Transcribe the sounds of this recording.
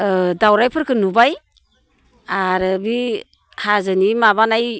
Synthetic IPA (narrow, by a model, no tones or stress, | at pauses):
dawɾajpʰɯɾkʰɯnubaj | aɾɯbi | hazɯnimaβanaj